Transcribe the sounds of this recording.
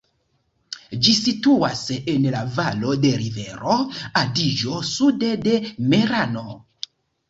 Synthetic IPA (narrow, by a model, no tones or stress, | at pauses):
d͡ʒisituasenlavalo̞de̞ɾiveɾo̞adid͡ʒo̞sudede̞meɾano̞